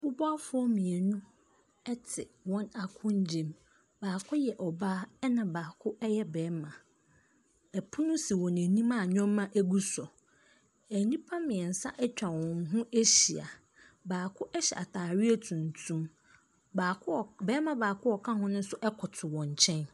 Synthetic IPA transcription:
bʊ˦bɔ˦a˦fʊ˦ɔ˦mĩ˨e˨nũ˦ | ɛ˦tʰɪ˨wɔ̃˦na˨kʰʊ̃˦ɲ˦d͡ʑẽ˦˨m | baː˨kʰʊ˦jɛ˨ʔɔ˨baː˦ɛ˦nã˨baː˨kʰʊ˦ɛ˦jɛ˦bɛː˨˦mã˨ | ɛ˨pʰʊ˦nʊ̃˦si˨wɔ̃˨næ˨nĩ˦mã˦˨ɲᶣɔ̃˦mːã˦ʔæ˦ɡu˦sɔ˨ | æ˨˦nĩ˦pʰã˦mɪ̃˨ɛ˨n̩˨sa̰˦ʔɛ˦t͡ɕᶣa˨wɔ̃˨nɦʊ̃˦e˦ɕi˨a̰˨ | baː˨kʰʊ˦ʔɛ˦ɕɛ̰˨ʔa˨tʰaː˨ɥi˦e˦tʰũ˨ntʰũ˦m | baː˨kbɛː˦mã˨baː˨kʰʊ˦ɔ˨kʰã˦hʊ̃˦nʊ̃˦n˦sʊ˦ʔɛ˦kʰʊ˨tʰʊ˨wɔ̃˨ɲ˨t͡ɕʰɛ̃˦n

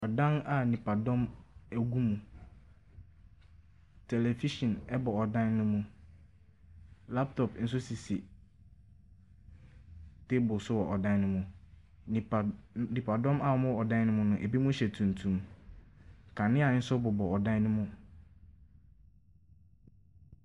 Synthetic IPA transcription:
ɔ˨dã˦na˨nĩ˨pa˨dɔ̃˦mæ˨ɡu˦mũ˨ | tʰe˨le˨fi˦ʃɔ̃˨nɛ˦bɔ˨ɔ˨dã˦nːʊ̃˦mʊ̃˦ | la˦p̚tʰɔ˨pn̩˦s̬ʊ˦si˨si˨ | te˦bʊ˨sʊ˦wɔ˨ʔɔ˨dã˦n˦nʊ̃˦mʊ̃˨ | nĩ˨pʰa˨dɔ̃˦ma˦˨˦mʊ̃˦ɔ˨dã˦nʊ̃˦mʊ̃˦nʊ̃˨ʔe˨bi˦mʊ̃˦ɕɛ˨tʰũ˨n˨tʰũ˨˦m | kʰa˨nɪ̃˦a˨˦n̩˦sʊ˦bʊ˨bɔ˨ɔ˨dã˦nʊ̃˦mʊ̃˦

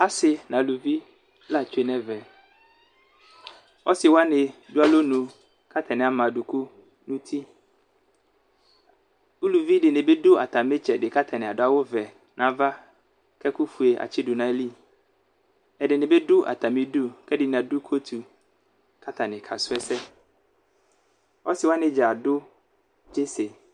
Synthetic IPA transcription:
a˦sɪ˨nã˨lu˨vi˦ | la˦˨t͡ʃʰᶣe˨nɛ̃˦vɛ˨ | ɔ˦sɪ˨wa˦nɪ̃˨du˦a˦lo˦nũ˨ | kʰa˦t̪ʰa˨nɪ̃˨a˨mã˨du˨kʰu˦ | nũ˦t̪ʰi˦ | u˦lu˨vi˦dɪ˨nɪ̃˨be˦dʊ˦a˨t̪ʰa˨mɪ̃˦t͡ʃʰɛ˨dɪ˨ka˦t̪ʰa˨nɪ̃˨a˨dʊ˨˦a˦wʊ˦vɛ˨ | nʔã˨˦va˦ | kʰɛ˦ku˦fu˨e˨ʔa̰˨t͡ɕʰɪ˦dʊ˨nã˦li˦ | ɛ˨dɪ˨nɪ̃˨bɛ˦dʊ˦ʔa̰˨tʰa˨mɪ̃˦du˦kʰɛ˦dɪ˨nɪ̃˨a˨du˦kʰo˦tʰu˨ | kʰa˦tʰa˨nɪ̃˨kʰa̰˨sʊ˦ɛ˦sɛ˦ | ɔ̰˦sɪ˨wa˦nɪ̃˨d͡ʒa˨a˨dʊ˦ | d͡ʒe˦se˨

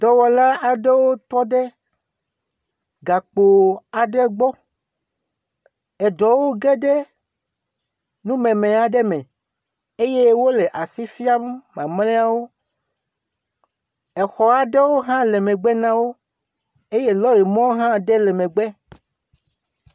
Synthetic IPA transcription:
d̪ɔ˨wɔ˨la˦a˨ɖe˦wo˦t̪ɔ˦ɖɛ˦ | ɡa˨k͡po˨a˨ɖɛ˦ɡ͡bɔ˦ | ɛ˨ɖɔ˨wo˦ɡɛ˦ɖɛ˦ | nũ˦mẽ˨mẽ˨a˨ɖɛ˦mɛ̃˨ | e˦je˦wo˦le˨ʔa˨si˦fi˦a˦m˦mã˨mlɛ̃˦a˦wo˦ | ɛ˨xɔ˨a˨ɖɛ˦wo˦ɦã˦le˨mẽ˨ɡ͡bɛ˦nã˦wo˦ | e˦je˦lɔ˦ɾi˨mɔ̃˦wɦã˦ɖɛ˦lɛ˨mẽ˨ɡ͡bɛ˦

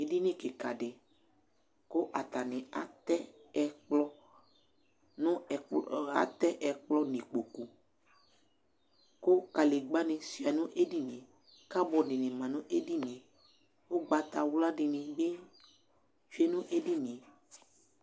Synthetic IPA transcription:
e˨di˦nĩ˦ke˨ka˨ɖɪ˨ | ko˦ʔa˨t̪a˨nɪ̃˨a˨t̪ɛ˦ɛ˨k͡plɔ˦ | nʊ̃˦˨a̰˨˦t̪ɛ˦ʔɛ˨k͡plɔ˦nĩ˨k͡po˨ku˨ | ko˦ka˨le˨ɡ͡ba˦nɪ̃˨si˨a˨nũ˦ʔe˦di˦nĩ˨ | ka˦bɔ˨dɪ˨nɪ̃˨mã˨nʊ̃˦ʔe˦di˦nĩ˨ | wo˦ɡ͡ba˨t̪a˨wla˦dɪ˨nɪ̃˨be˦ | fi˦e˦nʊ̃˦ʔe˦di˦nĩ˨

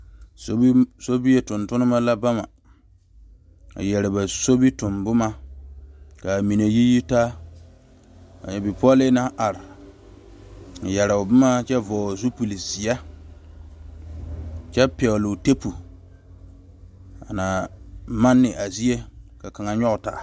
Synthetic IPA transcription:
sso˦bi˦je˨tʊ˨ntʊ˦nʊ˦ma˦la˦ba˦ma˨ | a̰˨jɛ˨ɾɪ˨ba˨so˦bi˦tʊ˨mbʊ˦ma˦ | ka˨mi˨ne˨ji˦ji˦taː˦ | a̰˨ɲɛ˨bɪ˨pɔ˦lɪ˦na˦ʔa˨ɾɪ˨ | a˨jɛ˨ɾa˨ʊ˨bʊ˦ma˦t͡ʃɛ˦vɔː˨zu˦pu˨li˨zi˨a˦ | t͡ʃɛ˦pɛ˨lʊ˨te˦pu˨ | a̰˨na˨ma˦nːɪ˨ʔa˨zi˦e˦ka˨ka˨ŋa˨ɲɔ˦ɣʊ˨ta̰˨

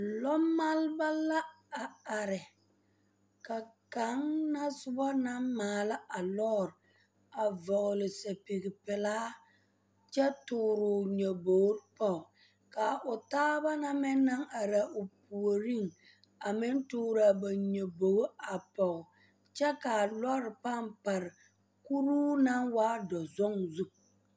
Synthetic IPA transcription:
lɔ˦mːa˦lba˦la˦ | a˨a˨ɾɪ˨ | ka˨ka˨˦ŋna˦sʊ˦bɔ˦na˦mmaː˨la˦a˨lɔ˦˨ɾ | a˨vɔ˨ɣʊ˨lɪ˨sa˨pi˨ɡɪ˨pɪ˨laː˦ | t͡ʃɛ˦tʊː˨ɾʊ˨ɲo˨bo˨˦ɾpɔ˨ | ka˨ʔʊ˨taː˦ba˦na˦mɛ˦na˦ŋa˨ɾa˨ʔo˨pu˨o˨ɾi˦˨ŋ | a˨mɪ˦ntʊː˦ɾa˨ba˨ɲo˨bo˨ɡo˦a˨pɔ˨ʊ˨ | t͡ʃɛ˦ka˨lɔ˦ɾpa˦˨mpa˨ɾɪ˨ | ku˦ɾuː˦na˦ŋwaː˦dɔ˨zɔ˦ŋzu˦k

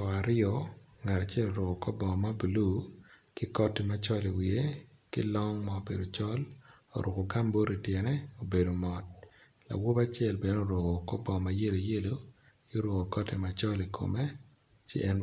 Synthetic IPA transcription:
ɔ˨a˨ɾɪɔ˦ŋa˨ɾa˨t͡ʃɛ˦lo˨ɾo˨ɡo˨kɔ˦bɔ˨ma˦bu˨lu˦kɪ˦kɔ˦te˦ma˦t͡ʃɔ˦li˨wi˨e˦ | kɪ̰˦lɔ˦ŋma˦o˨be˨do˨t͡ʃɔ˦l | o̰˨ɾo˨ko˨ɡa˦mbo˦ɾi˨tjɛ˨nɛ˦o˨be˨do˨mɔ˨t̚ | la̰˨wo˦ba˦t͡ʃɛ˦˨lbe˨n˦o˨ɾo˨ɣo˨kɔ˦bɔ˨ma˨je˦lo˨je˦lo˦ | kɪ˦o˦ɾo˨ɡo˨kɔ˦te˨ma˨t͡ʃɔ˦li˨kʰo̰˨me˦ | t͡ʃɪ̰˦ʔɛ˦n

